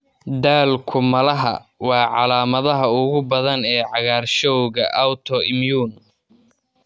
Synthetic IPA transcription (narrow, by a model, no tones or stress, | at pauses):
d̪aːlkʰʊmɐlɐɦɐ̰wɑːʕɑlaːmɐðɐɦɐʊɣʊbɐðɐnɛːʕɑɣaːrʃɔwɣɐ̰ʔawt̪ʰɔɪmjuːn